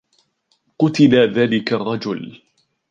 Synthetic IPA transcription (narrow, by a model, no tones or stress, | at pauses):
qʊt̪ɪlaðaːlɪkarˤːɑd͡ʒʊl